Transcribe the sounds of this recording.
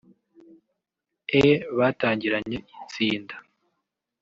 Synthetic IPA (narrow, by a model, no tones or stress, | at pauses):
eβataːɲɟiɾaɲe̞it͡siːnda